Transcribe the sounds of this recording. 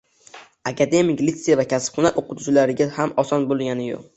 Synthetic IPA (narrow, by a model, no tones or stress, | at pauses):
akʲʰad̪e̞mɪklit̪sejavakʲʰaspχʊnaʔoqʊt̪ʰʊt͡ʃlaɾɪɡʲahamɒsɒnbolˠɡʲanɪjo̰q